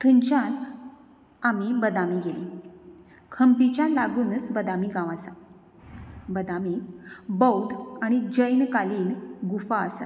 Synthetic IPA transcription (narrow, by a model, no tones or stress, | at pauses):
t̪ʰuɲt͡ɕan | amibəd̪amiɡeli | kʰəmpit͡ɕalaɡuːnt͡sbəd̪amiɡãʋasa | bəd̪amibəwd̪aɽ̃id͡ʑəjnkaliːnɡufaəsa̰t̪